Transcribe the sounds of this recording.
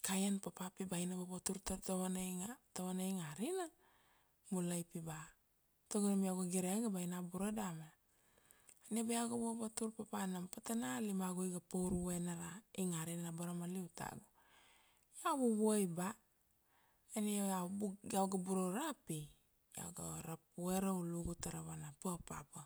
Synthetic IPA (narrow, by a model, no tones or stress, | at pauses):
kajanpapapibajnababotuɾtatawanajŋatawanaiŋaɾina | mulajpiba | toɡonamiaɡaɡiɾeaɡabajnabuɾadame | anebajawɡabobatuɾpapanampatanalimaɡojɡapowɾuwenaɾaiŋaɾinanabaɾamaliwta̰ɡo | jaβuβuajba | eneaawɡabuɾoɾapi | ja̰wɡa̰ɾap̚ueɾauluɡutaɾaβanapapa̰pa